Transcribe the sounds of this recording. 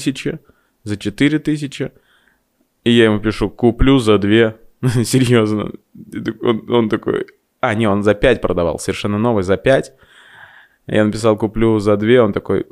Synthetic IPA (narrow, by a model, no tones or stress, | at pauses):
sʲɪt͡ɕɪ | zət͡ɕɪt̪ɨɾʲɪt̪ɨs̬ʲɪt͡ɕɪ | ijajɪmupʲɪʂukʊplʲuzɐd̪vʲe̞sʲɪɾʲjoznə̰ | t̪ono̞nt̪ɐko̞̰j | anʲeo̞nzɐpʲætʲpɾʔəd̪ɐvɑ̰lˠsəvʲɪrʂɛnːəno̞vɨjzɐpʲætʲ | janəpʲɪs̬ɑlˠkʊplʲuzɐd̪vʲeo̞nt̪ɐko̞̰j